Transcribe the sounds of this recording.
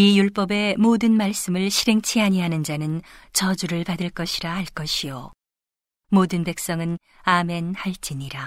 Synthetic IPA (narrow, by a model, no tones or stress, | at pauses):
ijuɭp͈ʌbe̞modɯnmaɭs͈ɯmɯɭɕʰiɾe̞ŋt͡ɕʰiɦaɲiɦanɯnd͡ʑanɯnt͡ɕʌd͡ʑuɾɯɭpadɯɭk͈ʌɕʰiɾaɦaɭk͈ʌɕʰijo̰ | modɯnpe̞k̚s͈ʌŋɯn | ame̞nhaɭt͡ɕ͈iɲiɾa